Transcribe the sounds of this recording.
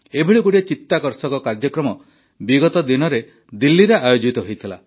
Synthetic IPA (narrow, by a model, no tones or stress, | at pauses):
ebʱiɭikuɽiet͡ʃit̪ːakɔɾsɔkɔkaɾd͡ʒɔkɾɔmɔ | biɡɔt̪ɔd̪inɔɾe | d̪ilːiɾaʔajod͡ʒit̪ɔɦojt̪ʰila